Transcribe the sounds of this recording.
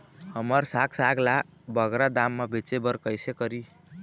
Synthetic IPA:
həməɾsaksaɡla | bʌɡɾad̪amːabʱet͡ʃebəɾkəjsekəɾi

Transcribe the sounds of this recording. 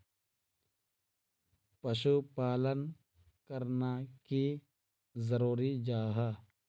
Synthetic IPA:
pəʃupaːlən | kəɾnaki | zəɾuːɾid͡ʒaːɦa

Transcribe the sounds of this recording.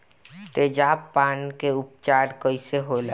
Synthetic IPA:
t̪ed͡ʒaːpːaːnkeʊp̚t͡ʃaːɾkəiseɦoːla

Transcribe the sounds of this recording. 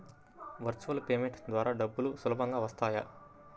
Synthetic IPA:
ʋɐɾt͡ʃuʋɐlpeːmeɳʈd̪ʋaːɾaːɖɐbːulusulɐbɐŋɡaːʋɐst̪aːja̰

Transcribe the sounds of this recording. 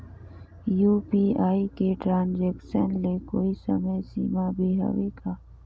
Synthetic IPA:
juːpiːaːikeʈɾãːnd͡ʒeːkʃənlekoːisɐməjsḭːmabʱiɦɐ̰ʋeɡaː

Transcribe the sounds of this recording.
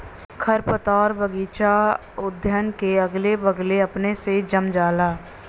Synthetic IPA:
kʰəɾpət̪aːɾbəɡiːt͡ʃa | ʊd̪ʱjənkeəɡlebəɡleəpnesed͡ʒəmd͡ʒaːlaː

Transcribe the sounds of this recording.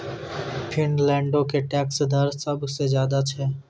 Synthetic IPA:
pʰɪnlɛ̃ːɳɖõkeʈɛːksd̪ʱəɾsəbʱsezjaːd̪at͡ʃʰɛː

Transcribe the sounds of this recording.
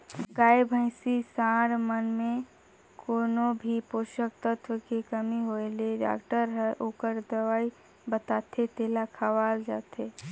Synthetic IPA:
ɡaːjbʱə̃ɪ̃sisãːɽmənmẽ | koːnobʱipoːʃək̚t̪ət̪ʰwəkekəmiɦoeleɖa̰ːkʈəɾɦɛʔoːkəɾd̪əʋaːi | bət̪aːt̪ʰet̪eːlakʰəʋaːld͡ʒa̰ːt̪ʰe

